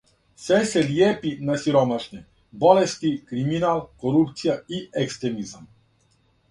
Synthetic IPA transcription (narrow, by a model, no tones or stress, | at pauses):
sɛsɛliɛpinasiɾɔmaʃnɛ | bɔlɛst̪ikɾiminalˠkɔɾupt̪sijaiɛkst̪ɾɛmizam